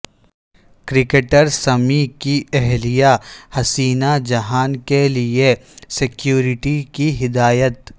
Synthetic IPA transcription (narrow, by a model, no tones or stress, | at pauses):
kɾɪkeʈəɾsɐmikiɛɦlijahɐsiːnad͡ʒɐɦaːnkeliesɪkjuːɾɪʈikiɦɪd̪aːjət̪